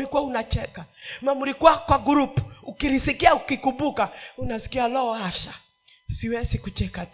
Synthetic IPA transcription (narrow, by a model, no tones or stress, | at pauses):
likuaunat͡ʃɛkamamuɾikuakwaɡuɾupukilisikiaukikumbukaunasi̥kialɔːhaʃa | siwɛsikut͡ʃɛkat